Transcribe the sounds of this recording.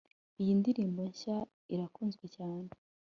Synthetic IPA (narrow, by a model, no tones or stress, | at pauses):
ijindiɾiːmbo̞ɲʃa | iɾakuːnzɡwecaːne